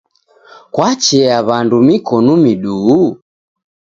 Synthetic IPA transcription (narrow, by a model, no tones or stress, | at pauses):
kwat͡ʃɛaβandumikɔnumiɗuː